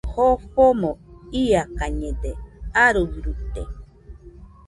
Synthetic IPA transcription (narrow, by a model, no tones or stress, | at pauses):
hoɸomoiakaɲẽd̪eaɾuɾut̪ḛ